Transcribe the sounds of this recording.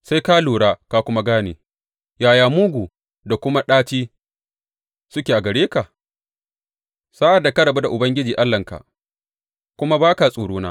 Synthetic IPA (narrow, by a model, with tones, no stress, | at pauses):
sa˦jka˦luː˨ɽaː˦ka˦kʷʊ˦ma˦ɡaː˦nḛː˨ | jaː˨jaː˨mʊ˦ɡʷuː˨ | da˨kʷʊ˦ma˦ɗaː˦tiː˦ | sʊ˦kʲeː˨ʔa˨ɡɐ˨ɽeː˦ka˨ʔ | sa˦ʔa˨dːa˨ka˦ɽɐ˨ba˦da˨ʔʊ˨bɐ˦ŋɡʲɪ˦d͡ʒiː˨ʔa˦lːɐ˨ŋka̰˨ʔ | kʷʊ˦ma˦baː˦ka˨sʼuː˨ɽuː˦na̰ː˦